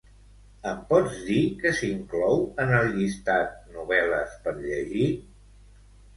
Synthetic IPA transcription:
əmpɔd͡zd̪ikəsiŋklɔwənəlˠʎist̪at̪̚nuβɛləspəɾʎəʒi

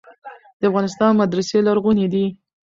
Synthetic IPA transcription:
d̪̥əafɣɑnɪst̪ɑnmad̪ɾaselaɾɣuned̪i

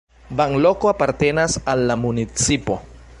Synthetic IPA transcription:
baŋlo̞koapaɾt̪e̞nasalːamunit͡sipo̞

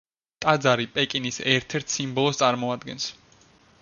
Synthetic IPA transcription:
t̪ʼad̪zaɾipʼɛkʼinisɛɾt̪ʰɛɾt̪ʰsimbɔlˠɔst̪sʼaɾmɔad̪ɡɛns

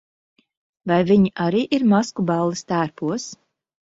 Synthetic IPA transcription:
vajviɲiʔaɾiːʔiɾmaskubalˠːist̪æːɾpuɔs

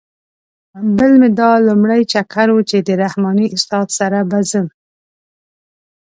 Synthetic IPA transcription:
bəlmed̪ɑlumɽajt͡ʃakʰaɾwut͡ʃed̪əɾahmɑniʔʊst̪ɑd̪saɾabazəm

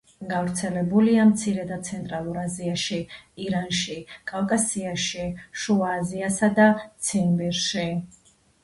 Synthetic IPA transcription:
ɡavɾt̪sʰɛlɛbuliamt̪sʰiɾɛd̪ad̪t̪sʰɛnt̪ʼɾalˠuɾaziaʃiiɾanʃikʼavkʼasiaʃiʃuaːziasad̪at̪sʰinbiɾʃi

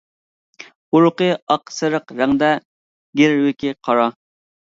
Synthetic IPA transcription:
uɾʊqəɑqsɨɾəqɾæŋd̪ɛ | ɡʲeɾwɪkʲʰɪqʰɑɾɑ

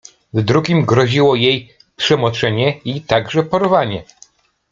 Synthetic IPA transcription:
zd̪ɾuɡʲimɡɾɔʑiwɔjej | pʂɛmɔt͡ʂɛɲɛit̪aɡʐɛpɔɾvaɲɛ

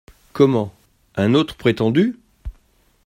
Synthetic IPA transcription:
kɔmɑ̃ | ɛ̃not̪χəpχet̪ɑ̃d̪y

